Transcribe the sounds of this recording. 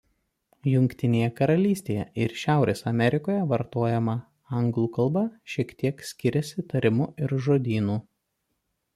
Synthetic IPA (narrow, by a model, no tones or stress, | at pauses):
jʊŋʲkʲt̪ʲɪnʲeːjɛkɐɾɐlʲiːsʲt̪ʲeːjɛ̰ʔɪɾʃʲæˑʊɾʲʔeːsɐmʲɛɾʲɪkoːjɛʋɐɾt̪oːjɛmɐ | ɐŋɡlˠuːkɐlˠbɐʃʲiɛkt̪ʲiɛksʲkʲɪɾʲɛsʲɪt̪ɐɾʲɪmʊɪɾʒoːd̪ʲiːnuː